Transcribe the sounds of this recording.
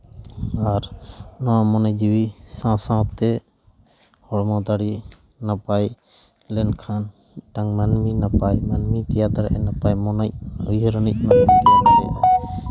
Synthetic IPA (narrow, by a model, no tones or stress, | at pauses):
aɾnɔwamɔnajd͡ʒiwisãwsãwtt̪ɛ | hɔɽmat̪aɽi | napaj | lɛnkʰan | ʈaŋmanminapajmanmit̪ijat̪aɾʔɛnapajmɔnajujɦɾənic̚manmit̪at̪aɛ̰a̰